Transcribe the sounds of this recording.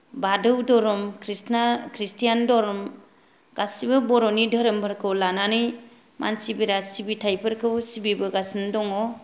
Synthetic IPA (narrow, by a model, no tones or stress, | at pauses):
badɯwdɔɾɔmkʰɾisnakʰɾistijandɔɾɔm | ɡ̥asibɯbɔɾɔnidʱəɾɯmbɯɾkʰɯwlananɯj | ma̰nsibiɾasibitʰajpʰɯɾkʰɯwsibibɯɡasindɔŋɔ